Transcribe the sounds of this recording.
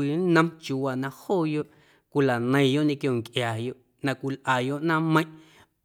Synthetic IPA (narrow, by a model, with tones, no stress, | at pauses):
i˧˨˦nə̃˧mt͡ʃu˧˨wa˨nã˧hoː˦˨jo˦ʔ | kʷi˧˨la˨nə̃˧ĩ˧jo˦ʔɲẽ˧kjo˧˨ŋkʔjaː˨jo˧˨ʔ | nã˧kʷi˧lʔaː˨jo˧ʔnã˦mə̃˧˦j̃ʔ